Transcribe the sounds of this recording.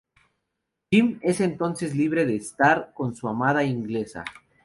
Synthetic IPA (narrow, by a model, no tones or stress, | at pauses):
t͡ʃime̞se̞nt̪o̞nse̞zliβ̞ɾe̞ðe̞ːst̪aɾko̞nsuamað̞aiŋɡle̞sa̰